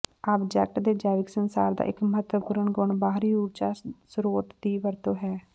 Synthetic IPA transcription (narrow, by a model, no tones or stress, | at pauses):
abd͡ʒɛːk̚ʈd̪eːd͡ʒaːʋɪksənsa̰ːɾd̪a̰ːʔɪkməɦət̪wəpuːɾəɳɡʊɳbaːɦɾiːuːɾd͡ʒaːsɾoːʈd̪iːʋəɾt̪oːɦɛː